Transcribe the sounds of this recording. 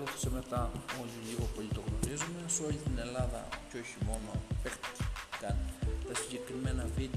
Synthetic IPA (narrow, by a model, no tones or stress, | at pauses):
ot̪i̥seme̞t̪ɐo̞ʎiʎiɣo̞po̞ʎit̪o̞ɣno̞ɾizumeso̞ʎit̪ine̞lɐðɐ̰co̞çimo̞nopekt̪i̥kɐnt̪ɐsiɲɟe̞kɾime̞nɐvit̪